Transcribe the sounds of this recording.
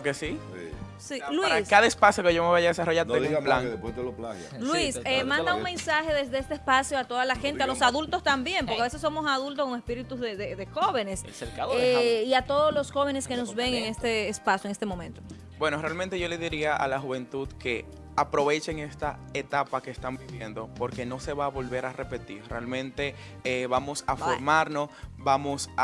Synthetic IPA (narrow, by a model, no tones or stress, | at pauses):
kesi | silwiɾaskaðaespasjo̞ke̞ʝo̞meβajaðesaroʝaɾt̪eplaŋðepweeloplaɣj̰lwisemãnd̪auŋmẽ̞nsaxe̞ðezðe̞est̪eːspasjoat̪o̞ðalaxe̞nt̪ealo̞saðult̪o̞st̪ambje̞mpoɾkeaβesesːo̞mo̞saðult̪okoŋespiɾit̪uzðeðeðexo̞βe̞ne̞slseɾkaeiat̪o̞ðoslo̞sxo̞βe̞neske̞no̞s̬βe̞ŋeŋe̞st̪eːspasjoŋest̪emo̞mẽ̞nt̪o | bwe̞norealmẽnt̪eʝo̞leðiɾiaʔa̰laxuβe̞nt̪uðke̞ | apɾo̞βe̞t͡ʃe̞ŋe̞st̪aet̪apakeːst̪ambiβje̞nd̪o̞po̞ɾke̞no̞se̞βaːβo̞lβe̞ɾarepe̞t̪iɾrealmẽ̞nt̪e̞ | eβamo̞safoɾmaɾno̞sbamo̞s